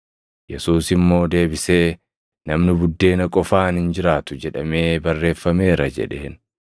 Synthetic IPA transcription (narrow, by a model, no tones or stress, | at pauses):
jɛsuːsɪmːo̞ːd̪e̞ːbɪseː | nɐmnɪbʊd̪ːe̞ːnɐkʼɔfaːnhɪnd͡ʒɪɾaːt̪ʊd͡ʒɛᶑɐme̞ːbɐrːe̞ːfːɐme̞ːɾɐd͡ʒɛ̰ᶑeːn